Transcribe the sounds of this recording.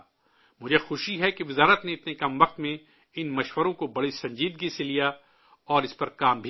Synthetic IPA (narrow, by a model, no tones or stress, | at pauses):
mʊd͡ʒʱexʊʃiɦɛkeʋɪzaːɾət̪neɪt̪nekɐmʋɐq̚t̪mẽ | ɪnmɐʃʋəɾõkobɐɽisɐ̃ɲd͡ʒiːd̪̚ɡiselija | ɔːɾɪspɐɾkaːmbʱi